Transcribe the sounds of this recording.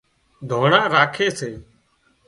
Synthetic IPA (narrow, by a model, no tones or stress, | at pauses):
d̪ʱoːɳãːɾaːkʰeːseː